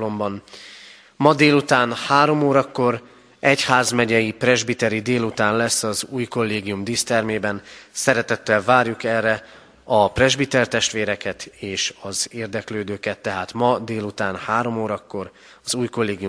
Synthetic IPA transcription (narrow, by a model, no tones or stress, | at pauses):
lo̞mbɒn | mɒd̪eːlut̪aːnhaːɾo̞moːɾɒkːo̞ɾ | ɛchaːzmɛɟɛjiprɛʒbit̪ɛɾid̪eːlut̪aːnlɛsːɒzuːjko̞lːeːɡijumd̪iːst̪ɛrmeːbɛnsɛɾɛt̪ɛt̪ːɛlvaːrjukɛrːɛ | ɒprɛʒbit̪ɛrt̪ɛʃt̪ʋeːɾɛkɛt̪eːʃɒzeːrd̪ɛkløːd̪øːkɛt̪ːɛɦaːt̪mɒd̪eːlut̪aːnhaːɾo̞moːɾɒkːo̞r | ɒzuːjko̞lːeːɡiju